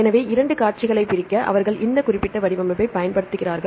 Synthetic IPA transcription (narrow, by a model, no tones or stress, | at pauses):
ɛnɐʋeːɪɾɐɳɖɯkaːɾt͡ʃɪɣɐɭɐɪpɪɾɪkːɐʔɐ̰ʋɐɾɣɐɭʔɪnd̪ɐkʊrɪpːɪʈːɐʋɐɽɪʋɐmɐʋɐɪpɐjɐnpɐɽɯt̪ːɯɣɪraːɾɣɐɭ